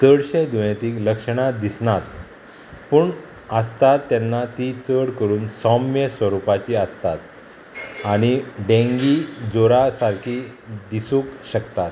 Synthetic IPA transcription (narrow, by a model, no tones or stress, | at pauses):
t͡səɽɕed̪unet̪iːkləkʂəɽ̃ad̪isɳat̪ | puːɳ | əst̪at̪ːɛnːat̪it͡səɽkəɾuːnsɔmjəsʋəɾupat͡ɕiːəst̪at̪̚ | aɽ̃iɖẽŋɡid͡zoɾasaɾkʰid̪isũːkɕəkt̪at̪